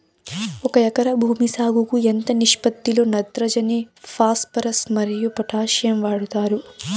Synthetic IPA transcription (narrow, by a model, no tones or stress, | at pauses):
ɔkɐjɐkɐɾɐbʱuːmisaːɡukuent̪ɐniʂpɐt̪ːilo̞ːnɐd̪ɾɐd͡ʒɐnipʰaːspɐɾɐsmɐɾijupɐʈʰaːʃjɐmʋaːɽut̪aːɾu